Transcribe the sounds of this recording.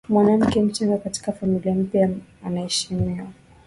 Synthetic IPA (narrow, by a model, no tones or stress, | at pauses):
mwanam̩kɛm̩t͡ʃaŋɡakati̥kafamiliam̩pjaanaɛʃimiwa